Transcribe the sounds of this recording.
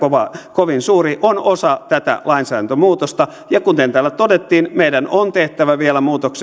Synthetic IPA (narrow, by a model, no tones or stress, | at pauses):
oʋɑkoʋinsuːriʔonosɑt̪æt̪æ̰lɑinsæːɾænt̪ømuːt̪ost̪ɑ | jɑkunt̪ent̪æːlːæt̪odet̪ːiːnmeidænont̪eht̪æʋæʋielæmuːt̪oks